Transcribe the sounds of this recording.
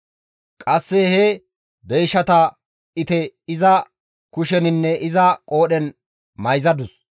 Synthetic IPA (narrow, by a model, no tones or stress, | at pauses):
kʼɐsːɛhɛ | bejʃːɐt̪ɐ | ʔɪt̪ɛɪzɐ | kʊʃɛnɪnːɛʔɪzɐkʼo̞ːɗɛn | mɐjzɐd̪ʊs